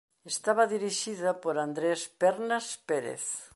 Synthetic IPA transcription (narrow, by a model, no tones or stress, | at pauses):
est̪aβaðiɾiʃiðɐpoɾand̪ɾespeɾnaspeɾḛθ